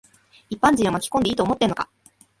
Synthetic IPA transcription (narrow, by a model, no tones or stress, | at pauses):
ipːãɲd͡ʑĩɰ̃o̞makʲi̥kond̪e̞iːt̪oːmo̞t̪ːenoka